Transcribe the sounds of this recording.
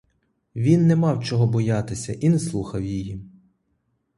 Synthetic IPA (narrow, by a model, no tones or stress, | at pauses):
ʋʲinːɛmɑwt͡ʃɔɦɔbɔjɑt̪ɪsʲɐʔineslˠuxɐwjɪji